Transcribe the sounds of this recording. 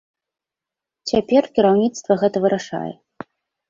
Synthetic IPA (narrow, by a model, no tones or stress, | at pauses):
t͡sʲapʲɛrkʲiɾawnʲit̪st̪vɐɣɛt̪ɐvɨɾaʂa̰jɛ̰